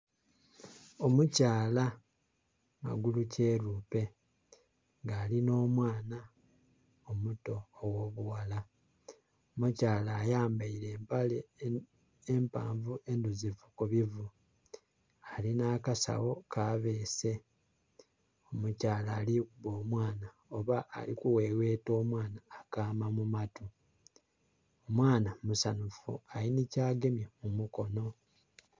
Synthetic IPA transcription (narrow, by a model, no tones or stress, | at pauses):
o̞mucaːla | ma̰ɡuluce̞ɾuːpe̞ | ŋɡaːlino̞ːmwaːna | omuto̞ːwo̞ːβuwala | omucaːlaːjaːmbaiɾe̞ːmpale | empa̰ːɱvuʔenduzivukuβivu | alinaːkasa̰wo̞kaβe̞ːse̞ | omucaːlaːlikuβo̞ːmwaːna | o̞βaʔːlikuweːwe̞ːto̞ːmwaːnaːkaːmamumatu | omwaːnamusanufṵalinicaːɡe̞mjemumuko̞no̞